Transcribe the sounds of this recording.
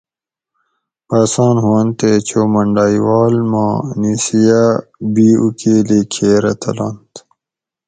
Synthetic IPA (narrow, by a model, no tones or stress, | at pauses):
pasɑ̃ːnɦuɐnt̪et͡ɕʰoːmɐɳɖaːiwɑːlmãːnisijabiːukeːlekʰeːɾɐt̪ʰɐ̰laːnt̪